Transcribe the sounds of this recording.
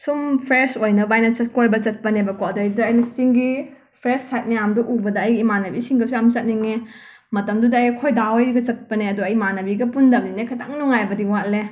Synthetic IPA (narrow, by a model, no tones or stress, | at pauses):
sumpʰɾesojnɐbajnɐt͡ʃɐt̚kojbɐt͡ʃɐt̚pɐnebɐkodjdɐːjnɐsiŋɡi | pʰɾesːajt̚mɐjamdɔʔubɐdɐːjɡiːmanɐbisiŋɡɐsuɐmt͡ʃɐt̚niŋe | mɐtɐmdudɐɐjkʰojdawjɡɐt͡ʃɐt̚pɐneɐduɐjmanɐbiɡɐpundɐm̚ninekʰataŋnuŋajbɐdiwale